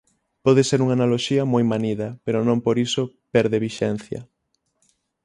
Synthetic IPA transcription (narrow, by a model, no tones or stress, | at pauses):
pɔðeseɾuŋanaloʃiɐmojmaniðɐpeɾonõmpoɾiso | pɛɾðeβiʃɛn̟θjɐ̰